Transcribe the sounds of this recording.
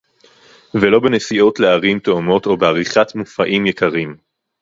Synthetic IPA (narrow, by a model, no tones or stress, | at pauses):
velo̞benesio̞tleaʁimt̪omo̞to̞beaʁiχatmufaʔimjekaʁim